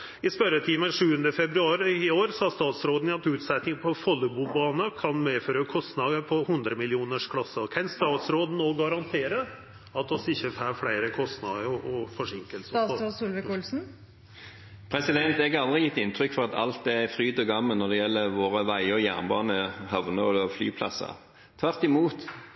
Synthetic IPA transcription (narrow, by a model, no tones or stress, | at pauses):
ɪspœɾət̪ʰiːməʂʉːənd̪əfɛbɾʉɑːɾɪoːɾsɑːst̪ɑːt̪sɾoːd̪n̩ɑt̪ʉːt̪sɛt̪nɪŋpʰɔfɔlːəbuːbɑːnəkʰɑnmeːføːɾəkʰɔst̪nɑd̪əpʰɔhʉnd̪ɾəmɪlɪuːnəʂkʰlɑsːəɾkʰɛnst̪ɑːt̪sɾoːd̪n̩ːoːɡɑɾɑnt̪ʰeːɾə | ɑt̪ːɔsɪçːəfæːɾfɽæɪɾəkʰɔst̪nɑ̰d̪əɔʔɔfɔʂɪŋkəlsəsulʋəkulsn̩ | pʰɾɛsɪd̪ɛnt̪ɛɡɑld̪ʁɪjɪt̪ːɪnt̪ʰɾʏkːfɔʁɑt̪ɑ̰lt̪̚ɛɛfɾyːd̪ɔɡɑmːəlnɔʁd̪ɛjɛlːəʋoːʁəʋæɪəɔjæːʁnbɑːnəhɑʋnəɔd̪ɔfly̰ːpʰlɑ̰sə̰ | t̪ʰʋæʁt̪ɪmuːt̪